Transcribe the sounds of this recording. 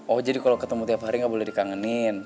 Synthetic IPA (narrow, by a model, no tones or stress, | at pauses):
ɔhd͡ʒadikalokət̪əmut̪iapɦaɾiŋɡaʔbolɛhdikaŋənin